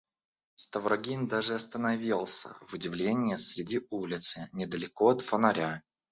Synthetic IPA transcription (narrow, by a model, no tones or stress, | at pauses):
st̪əvɾɐɡʲind̪aʐɨɐst̪ənɐvʲilˠsʲə̰vʊdʲɪvlʲenʲɪjəsʲɾʲɪdʲiulʲɪt̪sɨnʲɪd̪əlʲɪkoɐt̪fənɐɾʲa